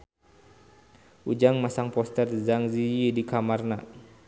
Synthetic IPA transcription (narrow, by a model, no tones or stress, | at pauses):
ʔud͡ʒaŋmasaŋpɔst̪ɛrzaŋzijidikamarna